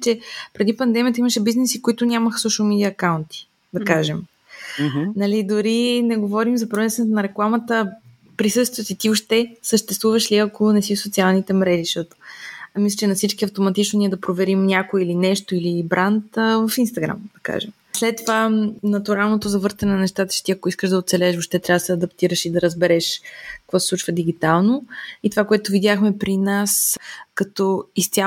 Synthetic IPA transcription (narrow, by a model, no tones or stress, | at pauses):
t͡ʃɛpɾɛd̪ipɐnd̪ɛmiət̪əiməʃɛbiznɛsikoit̪ʊnʲaməxsɔʃəlˠmid̪iəːkaʊnt̪i̥ | d̪ɐkaʒɛm | nɐlid̪oɾinɛɡovɔɾimzɐpɾvɛnst̪vɛnɛt̪onɐɾɛklˠamət̪ə | pɾisɤst̪vijət̪it̪iʊʃt̪ɛsəʃt̪ɛst̪vuvɐʃliɐkonɛsifsot̪sialˠnit̪ɛmɾɛʒiʃt̪ɔt̪o̥mislʲət͡ʃɛnɐfsit͡ʃkiɐft̪omɐt̪it͡ʃnoniɛd̪ɐpɾovɛɾimnʲakoilinɛʃt̪oilibɾʔant̪vəfinst̪ɐɡɾa̰md̪ɐka̰ʒɛm | slɛt̪ːovanɐt̪uɾalˠnot̪ozɐvɤɾt̪ɐnɛnɐnɛʃt̪at̪ə̥t͡ʃɛ̥t̪iɐkoiskəʒd̪ɐot̪sɛlɛʃvoʃt̪ɛt̪ɾʲavd̪əsɛɐd̪ɐpt̪iɾəʃid̪ɐɾəzbɛɾɛʃkɐ̥kvɔsɛ̥slˠut͡ʃvɐd̪iɡ̟it̪alˠnoit̪ovakoɛt̪ʊvid̪ʲjaxmɛpɾinaskɐt̪ɔist̪sʲa